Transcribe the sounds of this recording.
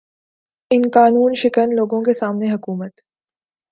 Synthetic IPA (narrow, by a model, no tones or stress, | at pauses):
ɪnkaːnuːnʃɪkənloːɡõkesaːmneɦɐkuːmət̪